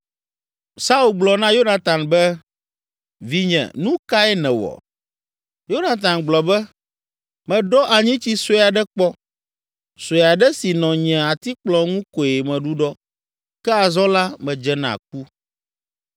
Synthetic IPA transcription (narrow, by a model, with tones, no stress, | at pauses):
sa˦u˨ɡ͡blɔ˨nã˦jo˦na˨t̪ã˨nbɛ˦ | vi˨ɲɛ̰̃˨nũ˦ka˦ɛ˦nɛ̃˨wɔ̰˨ | jo˦na˨t̪̬ã˨nɡ͡blɔ˨bɛ˦ | mɛ̃˨ɖɔ˦ʔa˨ɲĩ˦t͡ɕi˦so˦a˨ɖɛ˦k͡pɔ˦ | so˨ja˨ɖɛ˦si˨nɔ̃˨ɲɛ̃˨a˨t̪i˦k͡plɔ˨ŋũ˦ko˨e˨mɛ̃˨ɖu˦ɖɔ˦ | kɛ˦a˨zɔ̃˦la˦mɛ̃˨d͡ʒɛ˦nã̰˨k̚u˦